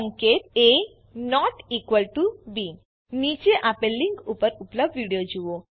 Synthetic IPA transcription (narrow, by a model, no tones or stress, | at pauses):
ŋkeʈe | nɔʈikʋəlʈubi | nid͡ʒeʔapẽliŋkupəɾuplabʋiɽijod͡ʒuʋo